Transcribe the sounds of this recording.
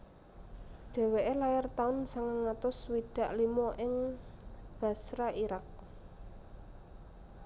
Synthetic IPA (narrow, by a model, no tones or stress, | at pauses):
ɖ̥e̤weʔelajart̪aʊnsaŋəŋːat̪ʊswiɖ̥ä̤ʔlimɔʔɪŋ | b̥ä̤sɾaiɾak̚